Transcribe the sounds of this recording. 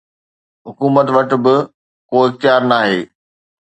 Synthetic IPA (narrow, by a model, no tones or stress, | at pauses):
ɦʊkuːmət̪ʋɐʈ̆bɪ | koːɪxt̪ɪjaːɾnaːɦeː